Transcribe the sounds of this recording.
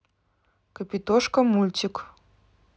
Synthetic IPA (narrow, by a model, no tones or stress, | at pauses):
kəpʲit̪oʃkɐmulʲt̪ʲik